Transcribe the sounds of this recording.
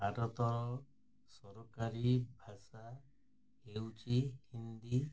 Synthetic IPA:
bʱaɾɔt̪ɔɾ | sɔɾɔkaɾibʱasa | hewt͡ʃihind̪i

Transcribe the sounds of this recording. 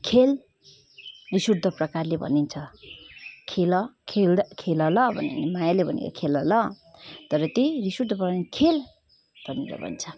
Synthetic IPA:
kʰel | risurd̪ʱʌprʌkarlebʱʌ̰nint͡sʰʌ | kʰelʌkʰelkʰelʌlʌbʱʌ̰nḭnemajalebʱʌnḛɾʌ̰kʰelʌlʌ | t̪ʌɾʌt̪ejrisuɾd̪ʌpʌkankʰel | b̥ʱʌniɾʌ̰bʱʌ̰nt͡sʰʌ

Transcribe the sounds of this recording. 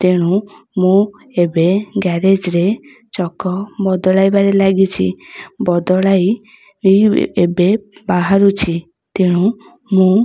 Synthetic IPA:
t̪eɽ̃ũmũebeɡɛɾed͡ʒɾet͡ʃɔkɔbɔd̪ɔɭajbaɾelaɡit͡ʃʰḭbɔd̪ɔɭaj | ebebaɦaɾut͡ʃʰit̪eɽ̃ũmũ

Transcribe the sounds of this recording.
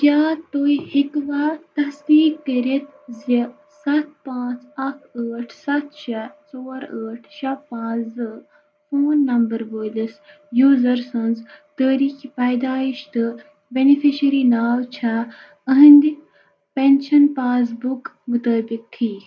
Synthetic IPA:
kʲjaːt̪oːihikʋaːt̪ɐsd̪iːkːəɾet̪zɐ | sɐt̪̚ʰpãːt͡sɐkʰəːʈʰsɐt̪ʰʃɐt͡soːɾəːʈʰʃɐpãːt͡sd̪ɨ | foːnːɐmbəɾʋoːjlis | juːzɐɾsɐnzt̪əːɾiːkʰipɐːjd̪aːiʃt̪ɨ | benifiʃəɾinaːwt͡ʃʰa | ɐɦĩnd̪i | pɛnʃɐnpaːs̬buk | mʊt̪əːbikhiː

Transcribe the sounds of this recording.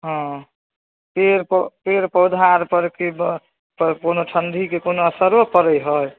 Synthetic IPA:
ɦɔ̃ | peɾppeɾpəwd̪ʱaɾpəɾki | pkonoʈʰənd̪ʱikekonoəsəɾʋəpəɾəjɦəj

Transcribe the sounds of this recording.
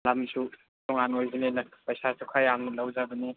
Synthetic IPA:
lamsʰu | tɔŋanojzinenɐpajsasukʰajaŋlawzabəni

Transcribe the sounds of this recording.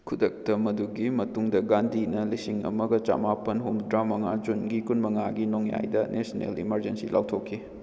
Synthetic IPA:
kʰudɐk̚tɐmɐduɡimɐtuŋdɐɡandʱinɐlisiŋɐ̰mɐɡɐt͡ʃa̰mapɐnɦumdɾamɐŋad͡ʒunɡikunmɐŋaɡinoŋja̰jdɐnesnḛlḭmɐɾd͡ʒensilawtʰokʰːi

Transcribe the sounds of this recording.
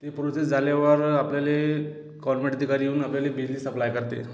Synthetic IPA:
t̪epɾot͡sed͡zalaʋəɾapljale | kɔɾmeʈd̪ʱikaɾijeunapljalebid͡zliːsəplajkəɾt̪ḛ

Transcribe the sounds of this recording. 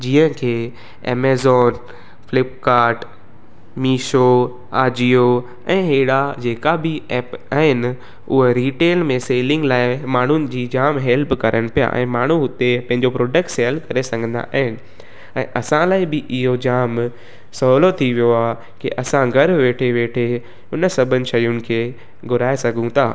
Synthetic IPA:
d͡ʑiːə̃kʰeː | ḛːmeːzɔːn | fɪlɪpkaːɾʈ | miːʃo | aːd͡ʑio | ɛ̃ːɦeːɽad͡ʑeːkabɪɛːpaːɦɪnɪ | ʊɦeɾiːʈeːlmẽseːlɪ̃ŋɡlaːɪmaːɳ̤ʊnɪ̆d͡ʑiːd͡ʑaːmɦɛːlpkɐɾʔəɽ̃pija̰ʔɛ̰̃ːmaːɳ̤uɦʊt̪epɐ̃ɦɪ̃ɲd͡ʑopɾoːɖək̚ʈseːlkɐɾesɐ̃ŋɡʱə̃nd̪a̰ʔaːɦɪnɪ̆ | ɛ̰̃ːʔɐsãlaːɪbɪʔɪɦod͡ʑaːm | sɐɦlot̪ʰiʋijoaː | kḭʔɐsãɡʱɐɾʋeːʈʰeʋeːʈʰe | ʊnəsɐbʱənɪ̆ʃɐjʊnɪ̆kʰeː | ɡʊɾaːesɐɡʱũt̪ʰa̰ː

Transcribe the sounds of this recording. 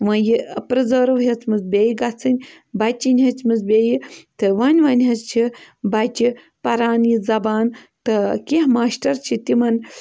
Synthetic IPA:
ʋɐ̃jiəpɾɐzəːɾɐʋɦɐt͡smɨt͡sbʲeːjiɡɐt͡sʰɨnʲ | bɐt͡ʃʲinʲɦɐt͡smɨzbʲeːjit̪ɨʋɐnʲʋɐnʲɦɐt͡st͡ʃʰibɐt͡ʃi | pɐɾaːnjizɐbaːn | t̪ɨkiɦmaːʃʈɐɾt͡ʃʰit̪imɐn

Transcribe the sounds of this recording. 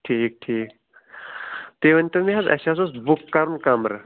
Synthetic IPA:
ʈʰiːk̚ʈʰiːk | t̪eʋɐnʲt̪ɐmiɦazʔɐ̰ɕasosbukːɐɾunkamɾ

